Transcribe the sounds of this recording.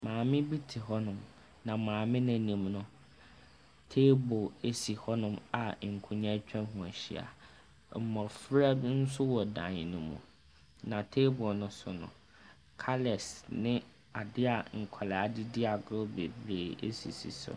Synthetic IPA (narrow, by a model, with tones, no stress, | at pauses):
mãː˨mɪ̃˦bi˦tʰɪ˨ɦɔ˦nʊ̃˦m | nã˨mãː˨mɪ̃˦nã˨nĩ˨mnʊ̃˦ | tʰe˦bo˨e˦si˨hɔ˦nʊ̃˦ma˨ŋ̩˨kʰʊ̃˨ɲã˦t͡ɕᶣã˦ɦũ˨æ˨ɕḭ˦a̰˨ | m̩˨mɔ̃˨fɾa˦n̩˦sʊ˦wɔ˨dã̰˨ɲɪ˨nʊ̃˦mṵ̃˨ | nã˨tʰe˦bɔ˨nʊ̃˦sʊ̰˨nʊ̰̃˨ | kʰa˦lɛ˨snɪ̃˦ | a˨dɪ˦a˨ŋ̩˨kʷʰa˨la˨a˨dɪ˦dɪ˦a˨ɡʊ˦be˨bɾeː˨ḛ˦sḭ˨sḭ˨sʊ̰˨